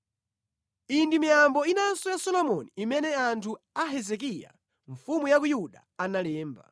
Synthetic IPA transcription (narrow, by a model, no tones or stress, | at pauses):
indimijambɔinasɔjasɔlɔmɔniːmɛnɛantʰu | aɦɛzɛk̬ija̰ | ɱfumujakujuɗa | analɛːmba̰